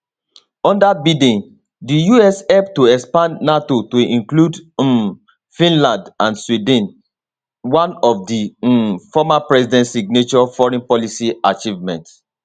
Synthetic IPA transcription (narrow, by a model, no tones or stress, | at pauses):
ɔ̃ndabidĩn | dijuɛshɛlptːoɛkspãnːatotoĩnklud | fĩnlãndãnswidĩn | wãnɔfdifɔmapɹɛsidɛ̃ntsiɡ̚net͡ʃɔfɔɹɛ̃npɔlisiat͡ʃivmɛ̰̃nt